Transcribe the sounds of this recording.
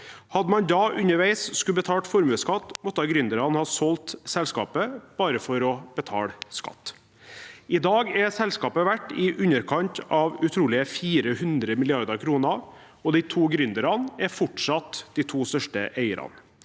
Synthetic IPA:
hɑd̪mɑnd̪ɑʔʉnːəʋæɪsskʉbət̪ʰɑːlʈ̪fɔɾmʉːskɑt̪ːmɔt̪ːɑɡɾʏnd̪əɾɑnhɑːsɔlt̪sɛlskɑ̰ːpəb̥ɑːɾəfɔɾɔbət̪ʰɑ̰ːɽskɑ̰t̪ː | ɪd̪ɑːɡɛsɛlskɑːpəʋæʈːɪʔʉnəɾkʰɑnt̪ɑʋʉt̪ʰɾuːlɪəfiːɾəhʉnd̪ɾəmɪlɪɑɾd̪əɾkʰɾuːnə | ɔd̪ɪt̪ʰuːɡɾʏnd̪əɾɑnɛɾfɔʈʂɑt̪d̪it̪ʰuːst̪œʂʈəʔeɪə̰ɾʔɑ̰n

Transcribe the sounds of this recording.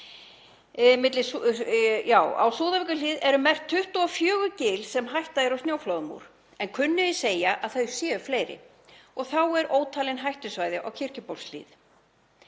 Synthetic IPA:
mɪt̪lɪs | jaːwa̰wsuːðavɛkʏliːðɛɾʏmɛr̥t̪ʰːʏht̪uɔfjœːɣʏcɪːlsɛmɦajht̪aðɪɾawsnjoːwflowðmṵɾ̥ | ɛnkʰʏnːʏðɪseːjaʔaðθœɥsjɛːʏfleːjɾɪ̰ | ɔɣθawɛɾoːwt̪ʰaːlɪnɦajht̪ʏsvajðɪʔa̰wcʰɪr̥cʏpowlslḭːð

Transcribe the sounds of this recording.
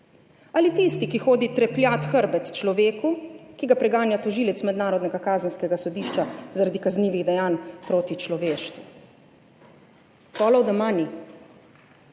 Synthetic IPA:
alit̪ist̪ikixoːd̪it̪ɾɛpljaːt̪xəɾbɛt̪t͡ʃlɔʋeːkukiɡapɾɛɡaːnjat̪ɔʒiːlɛt̪smɛd̪naːɾɔd̪nɛɡakaːzənskɛɡasɔd̪iːʃt͡ʃazaɾad̪ikazniːʋiɣd̪ɛjaːnpɾoːt̪it͡ʃlɔʋeːʃt̪ʋu | pɔːlɔwd̪ɔmaːni

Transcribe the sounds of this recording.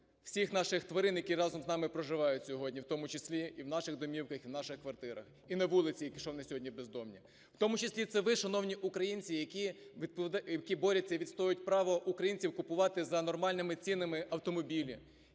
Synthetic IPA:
w̥sʲixnɑʃɪxt̪ʋɐɾɪnjɐkʲirɑzɔmznɑmɪpɾɔʒɪʋɑjʊtʲsʲɔɦɔdʲnʲiwt̪ɔmʊt͡ʃesʲlʲiiwn̪ɑʃɪɣd̪ɔmʲiwkɐxiwnɑʃɪxkʋɐrt̪ɪɾɐ̰x | inɐʋulˠɪt͡sʲijɐkʲiʃɔwnɛsʲɔɦɔdʲnʲibezd̪ɔmnʲi | w̥t̪ɔmʊt͡ʃɪsʲlʲit̪sɛʋɪʃɐnɔwnʲiʔukɾɐjinʲt͡sʲijɐkʲiʋʲid̪̚pɔd̪jɐkʲibɔɾʲɐt͡sʲːɐʋʲid̪st̪ɔjʊtʲpɾɑʋɔʔukɾɐjinʲt͡sʲiwkʊpʊʋɑt̪ɪzɐnɔrmɑlʲnɪmɪt͡sʲinɪmɪʔɐwt̪ɔmɔbʲilʲi

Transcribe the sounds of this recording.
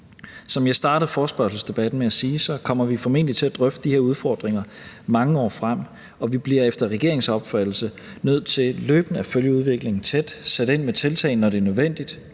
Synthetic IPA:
sɒ̽mjɑ̈ɪsd̥ɑ̈ːɾ̥əð̞̩ˠfɒːsb̥ɶɐsl̩sd̥e̝b̥æd̥n̩meæsiːsɒ̽kʰɒ̽m̰ɐʋifɒ̽me̝n̰d̥li̥t͡sʰe̝æd̥ʁœfd̥əd̥ihe̝ɐuð̞ˠfɒːd̥ʁeŋɐ | mɑ̈ŋəɒ̰ːfʁam̰ | ɒ̽ʋib̥liɐefd̥ɐʁɛɡ̥e̝ɐe̝ŋsɒ̽b̥fæd̥l̩sə | nøð̞̰ˠt͡sʰe̝lløːb̥n̩æføljəuð̞ˠʋe̝ɡ̥le̝ŋn̩t͡sʰed̥sed̥e̝n̰met͡sʰe̝lt͡sʰɛ̰ɪnːɒɾe̝ɐnøðˠʋen̰d̥id̥

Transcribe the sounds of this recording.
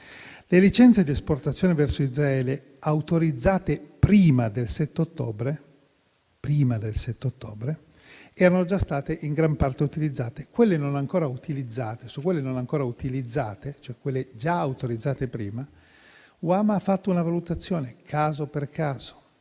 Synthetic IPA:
lelit͡ʃɛnt̪sed̪iesport̪at̪sːjoːnevɛrsoizɾaɛːle | awt̪oɾid̪zːaːt̪epɾiːmad̪elsɛt̪ːeot̪ːoːbɾe | pɾiːmad̪elsɛt̪ːeot̪ːoːbɾe | ɛːɾanod͡ʒast̪aːt̪eʔiŋɡɾampart̪eut̪ilid̪zːaːt̪ekwelːenonaŋkoːɾaut̪ilid̪zːaːt̪esukːwelːenonaŋkoːɾaut̪ilid̪zːaːt̪et͡ʃoɛkːwelːed͡ʒaawt̪oɾid̪zːaːt̪epɾiːma | wamafːat̪ːounavalut̪at̪sːjoːnekʰaːzoperkʰaːz̥o̥

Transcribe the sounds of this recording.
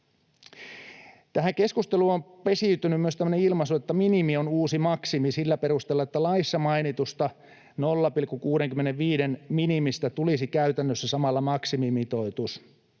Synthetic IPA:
t̪æhæŋke̞skust̪eluompe̞siyt̪ynymmyøst̪æmːøneilmɑsuet̪ːæminimionuːsimɑksimisilːæperust̪elːɑet̪ːælɑisːɑmɑinit̪ust̪ɑ | nolːɑpilkːukuːɾeŋkymːeneʋʋiːdenminimist̪æt̪ulisikæyt̪ænːøsːæsɑmɑlːɑmɑksimimit̪oit̪us

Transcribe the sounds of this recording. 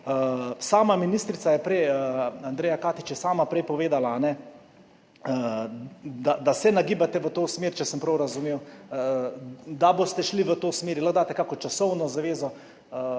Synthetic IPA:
saːmaminist̪ɾit̪sajɛpɾɛjand̪ɾeːjakaːt̪it͡ʃjɛsaːmapɾɛjpɔʋeːd̪alaːnɛ | ə | d̪ad̪asɛnaɡiːbat̪ɛʋət̪oːsmeːɾt͡ʃɛsəmpɾɐwɾazumeːw | d̪abost̪ɛʃliʋət̪oːsmeːɾjiləɣd̪aːt̪ɛkakɔt͡ʃasɔwnɔzaʋeːzɔ | ə

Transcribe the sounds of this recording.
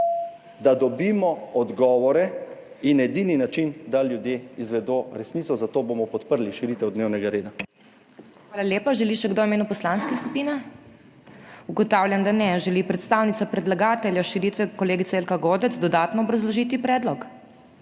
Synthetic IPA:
d̪ad̪ɔbimɔɔd̪ɡɔːʋɔɾɛ | inɛd̪ininat͡ʃind̪aljud̪jeizʋɛd̪oɾɛsnit̪sɔzat̪oːbomɔpɔt̪pəɾliʃiɾit̪ɛwd̪neːwnɛɡaɾeːd̪a | xʋaːlaljeːpaʒɛliʃɛɡd̪oimeːnupɔslanskɛskupinɛ | uɡɔt̪awljand̪anɛʒɛlipɾɛt̪st̪aːwnit̪sapɾɛd̪laɡaːt̪ɛljaʃiɾit̪ʋɛkɔleːɡit̪ɛelkaɡoːd̪ɛt̪zd̪ɔd̪aːt̪nɔːbɾazlɔʒiːt̪ipɾɛːd̪lɔk

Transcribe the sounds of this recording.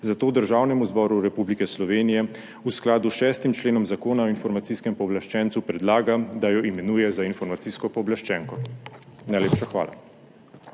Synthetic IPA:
zat̪oːd̪əɾʒaːwnɛmuzbɔɾuɾɛpublikɛslɔʋeːnijɛ | usklaːd̪uʃɛːst̪imt͡ʃleːnɔmzakoːnaɔinfɔɾmat̪siskɛmpɔːblaʃt͡ʃɛːnt̪supɾɛd̪laːɡad̪ajɔimɛnuːjɛzainfɔɾmat̪siːskɔpɔːblaʃt͡ʃɛŋkɔnajleːpʃaxʋa̰ːla̰

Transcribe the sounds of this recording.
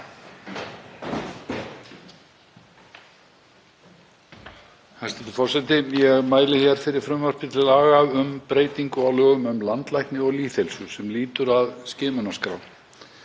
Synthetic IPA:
hast̪ɛt̪ːɪfɔr̥sɛt̪ɪjɛɣmaːjlɪçjɛɾ̥fɪɾɪɾ̥fɾʏmvœr̥pɪ̥t̪ʰɪlaːɣaʏmpɾeːjt̪iŋkʏawlœːɣʏmʏmlant̪lajhknɪɔɣliːθɛlsʏsɛmliːt̪ʏɾaðscɛːmʏnaskɾa̰w̪

